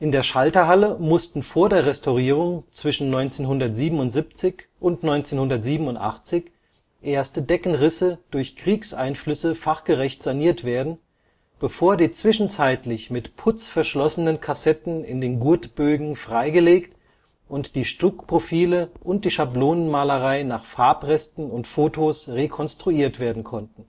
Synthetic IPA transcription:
ʔɪndeːɐʃaltɐɦaləmʊstn̩foːɐdeːɐʁɛstaʊʁiːʁ̞ʊŋt͡sv̥ɪʃn̩nɔʏnt͡seːnɦʊndɐtz̥iːbm̩ʊntz̥ip̚t͡sɪç | ʔʊntnɔʏnt͡seːnhʊndɐtz̥iːbm̩ʊntʔa̰χt͡sɪç | ʔeːɐstədɛkn̩ʁɪsəd̥ʊɐçkʁ̥iːksʔaɪnflʏsəfaχɡ̥əʁɛçtz̥aniːɐtv̥eːɐdn̩ | b̥əfoːɐdiːt͡sv̥ɪʃn̩t͡saɪtlɪçmɪtpʰʊt͡sfɛɐʃlɔsənənkʰasɛtn̩ɪ̰ndeːnɡʊɐtb̥øːɡŋ̩fʁ̥aɪɡəleːkt | ʔʊntd̥iːʃtʊkpʁ̥ofiːləʔʊnt̚d̥iːʃabloːnənmaːləʁaɪnaːχfaɐpʁɛstn̩ʊntfoːtʰosʁekʰɔnstʁ̥uiːɐtv̥eːɐdn̩kʰɔntn̩

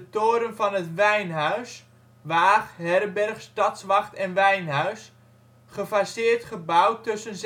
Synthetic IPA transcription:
ətoːɾənvɑnətʋɛjnɦœɥs | ʋaːχɦɛrbɛrχstɑtsʋɑχtɛnʋɛjnɦœɥs | χəfasɪːrtχəbawtɵsənz

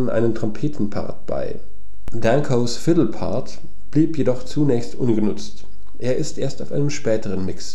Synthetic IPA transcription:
nʔa̰ɪnəntʁ̥ɔmpʰeːtn̩pʰa̰ɐt̚b̥a̰ɪ | dãŋkʰoʊsfɪtl̩pʰa̰ɐt | b̥liːpjedɔχt͡sunɛːçstʔʊnɡənʊt͡st | ʔeːɐʔɪstʔeːɐstaʊfʔaɪnəmʃpɛːtəʁənmɪks

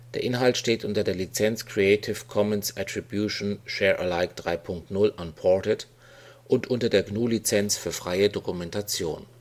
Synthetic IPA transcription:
d̥eːɐʔɪnɦaltʃteːtʔʊntɐdeːɐlit͡sɛnt͡skʁ̥iɛɪtʰɪfkʰɔmɛnsʔatʁ̥ibjuʃonʃɛːɐʔə̰laɪkd̥ʁaɪpʰʊŋk̚tnʊlʔanpʰɔtət | ʔʊntʔʊntɐdeːɐɡnuːlit͡sɛnt͡sfyːɐfʁ̥aɪədokumɛntat͡sjo̰ːn

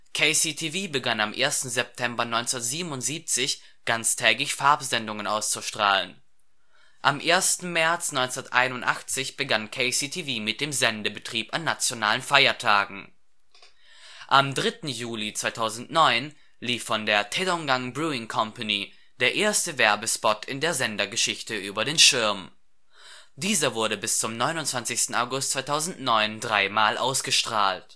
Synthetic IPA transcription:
kʰeɪsitʰiviːbəɡanamʔḛːɐstn̩zɛp̚tʰɛmbɐnɔʏnt͡snɐtz̥iːbənʊntz̥iːp̚t͡sɪç | ɡ̥ant͡stʰɛːɡlɪçfaɐpzɛndʊŋənʔaʊst͡suʃtʁ̥a̰ːlə̰n | ʔamʔeːɐstn̩mɛɐt͡snɔʏnt͡snɐtʔa̰ɪnʊntʔa̰χt͡sɪçb̥əɡankʰɛɪsitʰiviːmɪt̚d̥eːmzɛndəbətʁ̥iːpanːat͡sjonaːlənfaɪɐtʰaːɡŋ̩ | ʔamdʁɪtn̩juːlit͡sv̥aɪtʰaʊzn̩tnɔʏn | liːfːɔndeːɐtʰɛdɔŋɡaŋbʁuːɪŋkʰɔmpani | d̥eːɐʔeːɐstəvɛɐbəspɔtʰɪndeːɐzɛndɐɡəʃɪçtəʔyːbɐdeːnʃɪɐm | d̥iːzɐvʊɐɾəbɪst͡sʊmnɔʏnʊntt͡sant͡sɪçstn̩a̰ʊɡʊst̚t͡sv̥aɪtʰaʊzn̩tnɔʏndʁaɪmaːlʔa̰ʊsɡ̥əʃtʁ̥aːlt

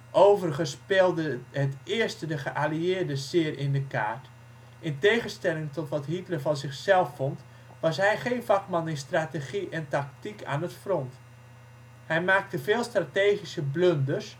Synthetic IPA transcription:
ʔowvərəχənspɪːlˠdəɦətɪːɹstədəχəʔaliɪːɹdəsɪərɪndəka̰ːɹt | ʔɪntejχənstɛlɪŋtɔtʋɑtɦitlərvɑnzɪχsɛlˠfɔnt | ʋɑsɦɛjχejnvɑkmɑnɪnstraːteχiʔɛntɑk̚tikʰa̰ːnətfrɔnt | hɛjmaːk̚təvɪːlˠstrateːχisəbløndərs

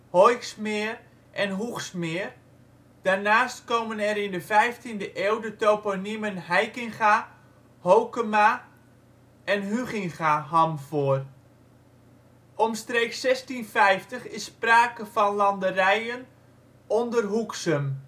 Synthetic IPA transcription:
hojksmɪːr | ʔɛnɦuxsmɪːr | d̥arnaːstkowmənɛɾɪndəfɛjftindəʔeːwdətoponimənhɛjkɪŋχa | howkəma | ʔɛnɦyχɪŋχaɦɔmv̥oːər | ʔɔmstreːksɛstinfɛjftəχɪspraːkəvɔnlɑndərɛjən | ɔndərɦuksəm

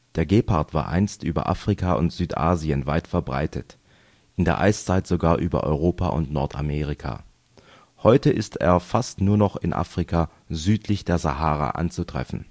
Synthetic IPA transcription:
d̥eːɐɡeːpʰaɐtv̥a̰ːɐʔa̰ɪnstʔyːbɐ̰ʔa̰ːfʁ̥ikʰaʔʊ̰ntz̥yːtʔa̰ːziənvaɪtfɛɐbʁa̰ɪtʰət | ʔɪndeːɐʔa̰ɪst͡saɪtz̥oɡaːɐʔyːbɐ̰ʔɔ̰ʏʁoːpʰa̰ʔʊ̰ntnɔɐtʰa̰meːʁikʰa̰ː | hɔʏtəʔɪstʰḛːɐfastnuːɐnɔχɪnʔa̰ːfʁ̥ikʰaː | zyːtʰlɪçd̥eːɐzahaːʁa̰ʔa̰nt͡sutʁ̥ɛ̰fn̩

